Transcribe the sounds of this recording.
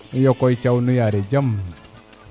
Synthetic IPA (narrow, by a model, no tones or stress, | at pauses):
nujɔkɔit͡ʃaunũjaɾɛd͡ʒam